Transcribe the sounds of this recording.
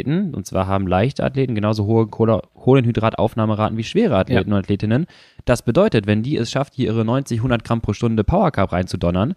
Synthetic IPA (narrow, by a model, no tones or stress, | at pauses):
tn̩ʔʊ̰ntt͡sv̥a̰ːɐɦaːbm̩laɪçtəʔa̰tleːtn̩ɡənaʊzoɦəkʰokʰoːlənhydʁaːtʔa̰ʊfnaːməʁaːtn̩viːʃv̥eːʁ̞əatʰleːtn̩ʊntatʰleːtɪnən | d̥asb̥ədɔʏtətvɛndiːɛ̰sʃafthiːɐʔiːʁənɔʏnt͡sɪçɦʊndɐt̚ɡ̥ʁampʁ̥oːʃtʊndəpʰaʊɐkʰapʁaɪnt͡sudɔnɐn